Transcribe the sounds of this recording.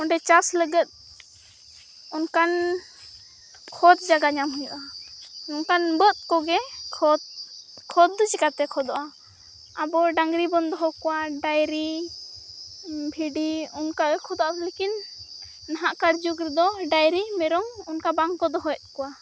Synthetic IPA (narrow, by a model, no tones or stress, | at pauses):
ɔɳɖɛt͡ʃasləɡət̪̚ | unkan | kʰɔd̪̚d͡ʒaɡaɲamɦɔjṵʔaunkanbət̪̚ˀkɔɡɛkʰɔd̪kʰɔd̪d͡ʒɛkat̪ɛkʰɔd̪ɔʔa | abɔɖaŋɡɾibɔnd̪ɔɦɔkɔwaɖajɾi | bʱiɖiunkaɡɛkʰɔd̪ɔʔatlekinː | aɦaʔkaɾd͡ʒukɾɛd̪ɔɖajɾimɛɾɔŋunkabaŋkɔd̪ɔɦɔɛt̪̚ˀkɔwa